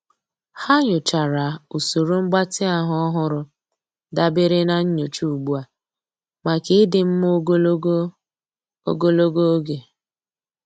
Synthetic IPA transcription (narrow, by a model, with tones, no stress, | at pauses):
ha˦ɲʊ˨t͡ʃa˨ɾa˨u˨so˨ɾo˦ŋ͡m̩˦ɡ͡ba˦tɪ˦a˨ɦʊ˦ɔ˦ɦʊ˦ɾʊ˨ | da˦bɪ˦ɾe˦na˨ɲ̩˦ɲo˨t͡ʃu˦u˨ɡ͡bu˦a˨ | ma˨ke˦dɪ˨m̩˦mo˦ɡ | o̰˦ɡo˦lo˦ɡo˦ɡe˨